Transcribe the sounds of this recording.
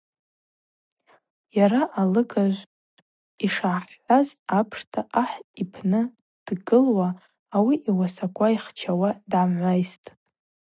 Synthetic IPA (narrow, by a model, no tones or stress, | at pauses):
jaɾaʔalɨkʰaʒʷ | iʂaʕħħʷazapʰʂtʰaʔaħipʰnɨ | d̥ɡɨlwaː | wiʔiwasakʷʰʼaiχt͡ʃʰawadʕamʕʷajstʼ